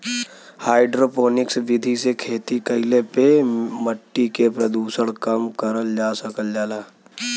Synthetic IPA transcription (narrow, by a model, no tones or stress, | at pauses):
haːɪɖɾoːpoːnɪksʋɪd̪ʱisekʰeːt̪ikəɪlepeməʈːikepɾəd̪uːsəɽ̃kɐmkəɾəld͡ʒaːsəkəld͡ʒaːlaː